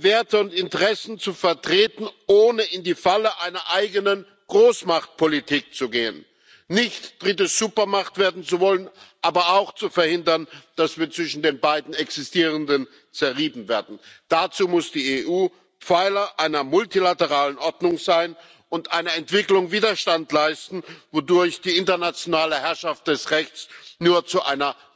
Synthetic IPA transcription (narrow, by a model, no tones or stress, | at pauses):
veːɐtəʊntɪntəʁɛsn̩t͡sufɛɐtʁ̥eːtn̩ʔoːnəɪndiːfaləʔaɪnɐʔaɪɡənən | ɡ̥ʁoːsmaχt̚pʰolitʰiːk̚t͡suɡeːə̰nː | ɪçtd̥ʁɪt̬əz̥uːpɐmaχtv̥eːɐdn̩t͡suvɔlənʔaːbɐaʊxt͡sufɛɐhɪndɐnd̥asv̥iːɐt͡sv̥ɪʃn̩deːnbaɪdn̩ɛksɪstiːʁ̞əndən | t͡sɛɐʁiːbm̩veːɐdn̩d̥at͡suːmʊsd̥iːeːʔuː | p͡faɪlɐʔaɪnɐmʊltilatəʁ̞aːlənʔɔɐdnʊŋzaɪn | ʊntʔaɪnəɛntv̥ɪklʊŋviːdɐʃtantlaɪstn̩vodʊɐçd̥iːɪntɐnat͡sjonaːləhɛɐʃaft̚d̥ɛsʁɛçt͡snuːɐt͡suʔa̰ɪnɐ